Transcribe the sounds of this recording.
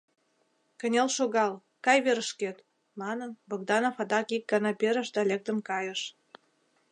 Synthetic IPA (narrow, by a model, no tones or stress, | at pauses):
kə̆nʲelʃoɣɑl | kɑjβeɾəʃket̪ | mɑnənboɡd̪ɑnofɑd̪ɑkik̚ɡɑnɑpeɾə̆ʃd̪ɑlʲek̚t̪ə̆mkɑjəʃ